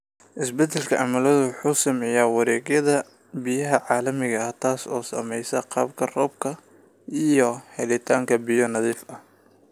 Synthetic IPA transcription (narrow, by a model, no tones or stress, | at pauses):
ʔɪsbɛd̪ɛlkʰɐʕɑmɐlɐðʊwħuːsɐmɛjaːwɑɾɛːɣjɐðɐ | bɪjɐɦɐʕɑːlɐmɪɣɐɐt̪ʰaːsɔ̰ːsɐ̰mɛjsɐqɑ̰ːb̚kʰɐrɔːb̚kʰɐ | ʔijɔhɛlɪt̪ʰaːŋkʰɐbɪjɔnɐðiːfɐh